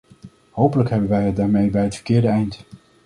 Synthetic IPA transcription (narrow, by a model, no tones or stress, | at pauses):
howpələkɦɛbənʋɛjɦədaːɹmejbɛjɦətfə̥ɹkɪːɹdəɛjnt